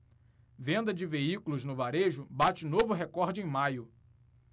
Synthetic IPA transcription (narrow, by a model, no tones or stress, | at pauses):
vẽnd̪ɐd͡ʒɪveikʊlʊznʊvaɾeʒʊbat͡ʃɪnovʊɦekɔɾd͡ʒɪẽj̃majʊ